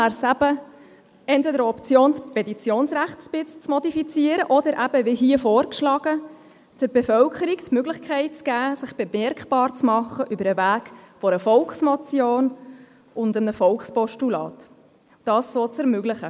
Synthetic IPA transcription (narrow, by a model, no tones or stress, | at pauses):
æɾsæbə | ɛntvedəɾɔpt͡sjoːnspɛt̪it͡sjoːnsʁæχtsb̥ɪt͡st͡smɔdifit͡siːəɾəʔɔdəɾʔæb̥əvɪɦiəfoːɾkʃlɑːɡ̥ə | d̥əɾbefœlkʰəɾiktmøɡlɪχkʰɛɪt̚t͡sɡ̥æːsɪχb̥emɛɾkχb̥ɑːɾt͡smɑχəʔybəɾəvæːɡ̥fɔɾəfɔlksmat͡sjoːn | ʊndənəfɔlkspɔʃtulɑ̰ːt | d̥ɑːssoːt͡sɛɾmøɡlɪχə